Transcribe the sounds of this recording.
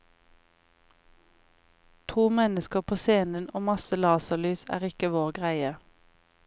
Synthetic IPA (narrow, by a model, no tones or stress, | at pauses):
t̪ʰuːmɛnəskəpʰoːseːnənʔoːmɑsəlɑːsəlyːsæ̰ːʁɪkəʋoːʁɡʁæɪə